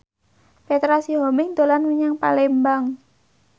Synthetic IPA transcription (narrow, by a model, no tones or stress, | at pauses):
fet̪ɾasiɦɔmɪŋd̪olanwiɲaŋpa̰lɛmbaŋ